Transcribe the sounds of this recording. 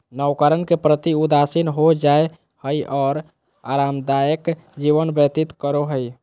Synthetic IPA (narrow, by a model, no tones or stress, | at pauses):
nəwkəɾənkepɾət̪iud̪asinɦod͡ʒae | həjʔɔːɾ | a̰ɾamd̪ajək | d͡ʒiβənbət̪it̪kəɾoɦəj